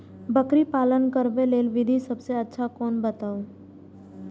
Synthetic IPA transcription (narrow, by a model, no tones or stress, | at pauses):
bəkɾipaːlənkəɾbeleːlʋɪd̪ʱisɐbseɐtːʃʰakɔːnbət̪aːoː